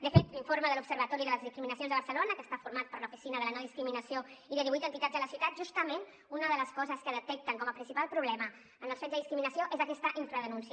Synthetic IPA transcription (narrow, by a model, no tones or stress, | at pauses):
d̪əfet̪liɱfoɾməðəlupsəɾβət̪ɔɾiðələzðiskɾiminəsionzðəβəɾrsəlonəkəst̪afuɾmat̪̚pəɾləufisinəðələnɔðiskɾiminəsioiðəðiβujt̪ənt̪it̪ad͡zzðələsiuwt̪at̪ʒust̪əmen | unəðələskɔzəskəðət̪ɛk̚t̪əŋkɔməpɾinsipalˠpɾuβlɛmə | ənəlˠsfɛzðəðiskɾiminəsioʔezəkɛst̪əʔiɱfɾəðənunsi